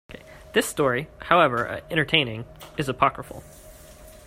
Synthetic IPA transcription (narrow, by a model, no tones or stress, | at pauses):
kʰeɪ | ðɪstɔɹihaʊɛvə˞ɛ̃ɾ̃ə˞tʰẽɪ̃nɪ̃ŋɨzəpʰɑkɹəfl̩ˠ